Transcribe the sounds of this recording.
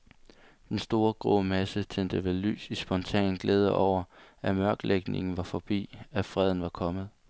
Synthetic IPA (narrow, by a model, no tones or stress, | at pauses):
d̥ensd̥o̝ːɐɡ̥ʁo̰mæsət͡sʰen̰d̥əʋe̝ly̰ːsisb̥ɒ̽nt͡sʰɛ̰ːnn̩ɡ̥leːð̞ˠəʔɒʊ̰ɐʔæmɶɐɡ̥lʔeɡ̥ne̝ŋn̩ʋɑ̈fɒ̽b̥ḭːæfʁɛð̞̰ˠn̩ʋɑ̈kʰɒ̽mð̩ˠ